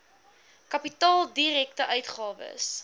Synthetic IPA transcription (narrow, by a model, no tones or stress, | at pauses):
kɐpitɑːlˠdiɾɛktəʔœɥtχɑːvə̰s